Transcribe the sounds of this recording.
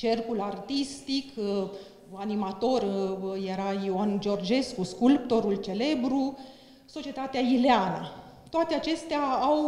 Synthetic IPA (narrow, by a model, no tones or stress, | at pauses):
t͡ʃerkulart̪ist̪ik | animat̪o̞rjeɾaioand͡ʒo̞rd͡ʒe̞skuskulp̚t̪o̞ɾult͡ʃe̞le̞bɾu | so̞t͡ʃie̞t̪at̪eaileanə | t̪oat̪eat͡ʃe̞st̪eaːw